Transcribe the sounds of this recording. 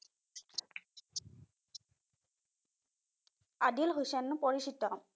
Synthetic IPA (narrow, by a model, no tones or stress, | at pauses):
adilɦojsɛnːʊpɔɹisitɔ